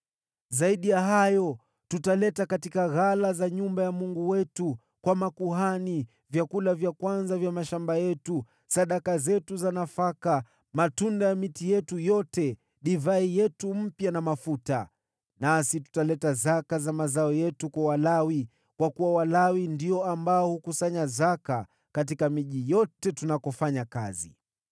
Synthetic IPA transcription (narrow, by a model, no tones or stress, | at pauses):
zaiɗijaɦajɔ | tutalɛtakatikaɣalazaɲumbajamuŋɡuwɛtu | kwamakuhani | vjakulavjakwanzavjamaʃambajɛtu | saɗakazɛtuzanafaka | matundajamitijɛtujɔtɛ | ɗivaijɛtum̩pjanamafuta | nasitu̥talɛtazakazamazaɔjɛtukwawalawi | kwakuwawalawindiɔambaɔhukusaɲazaka | katikamiʄijɔtɛtunakɔfaɲakazḭ